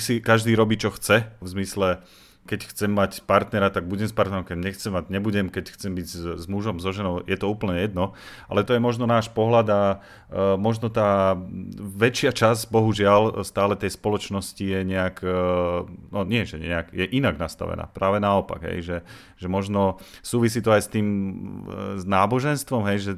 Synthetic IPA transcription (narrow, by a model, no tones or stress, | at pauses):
sikaʒd̪iːɾɔbiːt͡ʃɔxt͡sɛvzmislɛ | kɛcxt͡sɛmːacpaɾt̪nɛɾat̪aɡ̚buɟɛmspaɾt̪nɛɾɔmkɛɟɲɛxt͡sɛmːaɟɲɛbuɟɛmkɛcxt͡sɛmbiɟzmuʒɔmzɔʒɛnɔʊjɛt̪ɔuːpl̩ɲɛjɛd̪nɔʔa̰lɛt̪ɔjɛmɔʒnɔnaːʃpɔɦlad̪a | mɔʒnɔt̪aː | ʋɛt͡ʃɪat͡ʃazbɔɦuʒɪalst̪aːlɛt̪ɛjspɔlɔt͡ʃnɔscijɛɲɛak | nɔɲɪɛʒɛɲɛɲɛakjɛʔinaɡnast̪a̰ʋɛ̰na̰ːpɾaːʋɛnaɔpa̰ɡɦɛ̰jʒɛ | ʒɛmɔʒnɔsuːʋisiːt̪ɔajst̪iːm | znaːbɔʒɛnst̪ʋɔmɦɛjʒɛ